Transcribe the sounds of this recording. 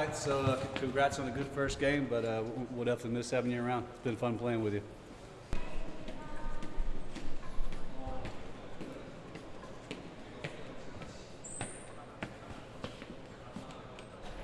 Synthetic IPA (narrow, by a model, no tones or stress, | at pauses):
ɪtsoʊʌkʰɨ̃ɡɹæt͡ʃsə̃n̩ðɨɡʊd̥fɜ˞sɡ̥ẽɪ̃mbʌɾʌwʌɾæfɨ̃mɪsɛvn̩jɪɹə˞ãʊ̃ndtsb̥ɨ̃nfʌ̃npʰl̥eɪ̃ŋwɨðjɨ